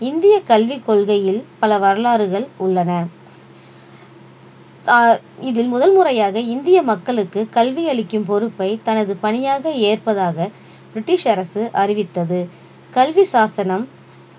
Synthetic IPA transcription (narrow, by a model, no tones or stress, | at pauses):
ɪnd̪ɪjɐkɐlʋikːɔɭɣɐjɪlpɐlɐʋɐɾɐlaːɾɯɣɐɭʊɭːɐnɐ | ɪðɪlmʊðɐlmʊrɐjaːɣɐɪnd̪ɪjɐmɐkːɐɭɯkːɯkɐlʋiɐɭɪkːɯmpɔɾɯpːɐɪt̪ɐnɐðɯpɐɳɪjaːɣɐeːrpɐðaːɣɐ | b̥ɪɾɪʈːɪʂɐɾɐsɯʔɐrɪʋɪt̪ːɐðɯ | kɐlʋisaːsɐnɐm